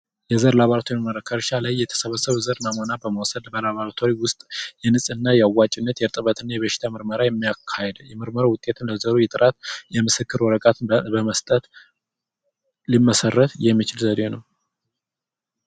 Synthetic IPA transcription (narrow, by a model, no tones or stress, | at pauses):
jɛzəɾlaβaɾat̪ʰoɾiməɾəkʰːəɾʃalajːɛt̪ʰə̥səβəsəβzəɾmamonabəməwsəd̪bəlaβaɾt̪ʰoɾiwʊst̪ʼjɛnɨsʼɨnːajɛawːat͡ʃʼɪnːət̪jɛɾt̪ʼɨβət̪ɨnːajɛβəʃɪ̥t̪ʰamɨɾməɾajɛmːijakʰːajɛd̪jɛmɨɾməɾowʊt̪ʼe̞t̪ʰɨnləzəɾujɛt̪ʼɨɾʔat̪jɛmɨsɨkːɨɾwɔɾəkʼat̪ʰɨbəməst̪ʼət̪ | limːəsərːət̪jɛmːit͡ʃɪlzəd̪enəw